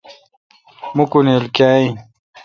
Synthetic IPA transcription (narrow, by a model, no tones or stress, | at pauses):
mukunelkaːĩ